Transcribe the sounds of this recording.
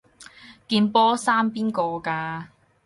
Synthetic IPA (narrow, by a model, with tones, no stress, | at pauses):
kiː˧npɔː˥saː˥mpiː˥nkɔː˧kaː˧